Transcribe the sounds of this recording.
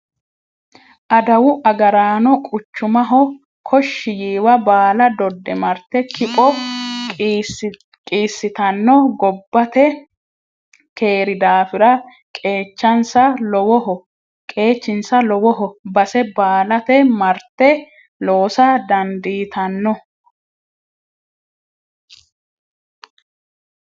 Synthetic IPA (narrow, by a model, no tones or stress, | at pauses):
ʔɐd̪ɐwʊʔɐɡɐɾaːnɔkʼʊt͡ʃːʊmɐɦɔ | kʰɔʃːɪjiːwɐbaːlɐd̪ɔd̪ːɛmɐɾt̪ːɛkʰɪpʼɔ | kʼiːsːɪt̪ɐnːɔɡɔbːɐt̪ɛ | kʰe̞ːɾɪd̪aːfɪɾɐ | kʼe̞ːt͡ʃːɐnsɐlɔwɔhɔ | kʼe̞ːt͡ʃːɪnsɐlɔwɔɦɔbɐsɛbaːlɐt̪ɛmɐɾt̪ːɛ | loːsɐd̪ɐnd̪iːt̪ɐnːɔ